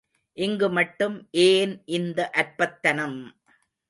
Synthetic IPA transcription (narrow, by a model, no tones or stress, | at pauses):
ʔɪŋɡɯmɐʈːɯmʔeːnʔɪnd̪ɐʔɐɾpɐt̪ːɐnɐm